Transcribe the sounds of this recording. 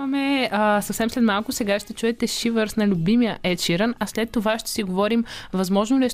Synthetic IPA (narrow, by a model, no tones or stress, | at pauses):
ɐmɛsɐfsɛmslɛt̪malˠkʊsɛɡaʃt̪ɛt͡ʃuɛt̪ɛʃivəɾsnɐlʲubimijəʔɛt͡ʃiɾənɐslɛt̪ːovaʃt̪ɛ̥siɡovɔɾimvɐzmɔʒnolɛʃ